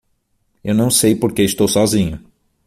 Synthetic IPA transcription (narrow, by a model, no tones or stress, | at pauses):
ewnɐ̃w̃sejpoɾkeɪst̪owsɔzĩɲʊ